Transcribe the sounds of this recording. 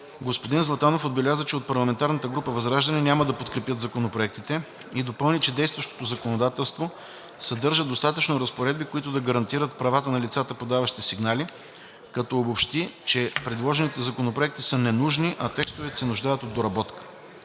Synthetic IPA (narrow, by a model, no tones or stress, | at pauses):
ɡospod̪inzlˠɐt̪anofod̪̚bɛlʲazət͡ʃɛot̪̚pɐɾlˠɐmɛnt̪aɾnət̪əɡɾupəvɐzɾaʒd̪ɐnɛnʲaməd̪ɐpot̪kɾɛpjət̪zɐkonopɾoɛk̚t̪it̪ɛ | id̪opɤlˠnit͡ʃɛd̪ɛjst̪vɐʃt̪o̥t̪ozɐkonod̪at̪ɛlˠst̪vo | sɐd̪ɤɾʒəd̪ost̪at̪ət͡ʃnoɾɐspoɾɛd̪̚bikoit̪ʊd̪ɐɡɐɾɐnt̪iɾət̪pɾɐvat̪ənɐlit̪sat̪əpod̪avɐʃi̥t̪ɛsiɡnali | kɐt̪ɔobopʃt̪it͡ʃɛpɾɛd̪lˠɔʒɛnit̪ɛzɐkonopɾoɛkt̪isənɛnuʒniʔɐt̪ɛkst̪ovɛt̪sɛnʊʒd̪ajət̪od̪ːoɾɐbɔt̪kə̥